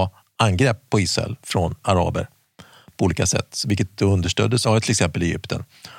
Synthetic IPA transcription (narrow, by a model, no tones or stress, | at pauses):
anɡɾɛpːɔɪːsɾɛ̰lfɾɔnaɾɑ̰ːbə̰ɾ | pʰɔuːliːkasɛ̰t̪ːvɪlkət̪̚d̪ɛɵnd̪əʂʈœ̰ːd̪ːəsavɛt̪ʰːɪlɛksɛmpəlɛjʏ̰pt̪ʰə̰n